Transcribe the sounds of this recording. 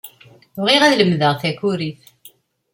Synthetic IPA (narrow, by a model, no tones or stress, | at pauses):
ʁiʁæðləmðəʁθæçuɾiθ